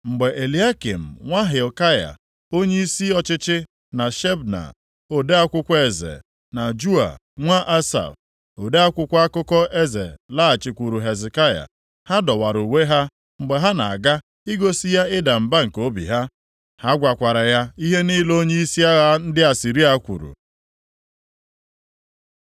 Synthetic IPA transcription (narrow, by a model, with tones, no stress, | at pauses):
ŋ͡m̩˨ɡ͡be˨ʔe˨li˨a˦kḭ˨m̩˨ŋʷa˦ɦe˨ka˦ja̰˨ | o˦ɲe˦i˦si˦ɔ˦t͡ʃɪ˦t͡ʃɪ˦ | na˨ʃe˦bna̰˨ | o˨de˦a˦kʷʊ˦kʷe˦zḛ˨ | na˨d͡ʒu˦a̰˨ | ŋʷa˦ʔa˦sa̰˨f | o˨de˦a˦kʷʊ˦kʷa˦kʊ˦kɔ˦e˦zḛ˨la˦a˨t͡ʃɪ˨kʷu˨ɾu˨ɦe˨zɪ˨ka˦ja̰˨ | ha˦dɔ˨wa˨ɾu˨we˦ɦa˦ | ŋ͡m̩˨ɡ͡be˨ɦa˦na̰˨a˨ɡa˦ | i˦ɡo˦si˦ja˦ɪ˦da˨m̩˨ba˦ŋ̩˨ko˦bḭ˨ɦa˦ | ha˦ɡʷa˨kʷa˨ɾa˨ja˦i˦ɦe˦niː˦lo˦ɲe˦i˦si˦a˦ɣa˦n̩˦dɪ˦a˨si˨ɾi˦a˦kʷṵ˨ɾṵ˨